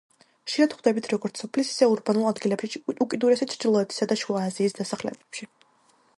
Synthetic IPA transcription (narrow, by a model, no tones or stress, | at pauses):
χʃiad̪̥χwd̪ɛbit̪ʰɾɔɡɔɾt̪sʰɔpʰlisi̥sɛuɾbanulˠad̪ɡilɛbʃiukʼid̪uɾɛsɛtt͡ʃʰɾd͡ʒilˠɔɛt̪ʰi̥sad̪aʃuaːziːsd̪asaχlɛ̰bɛpʃi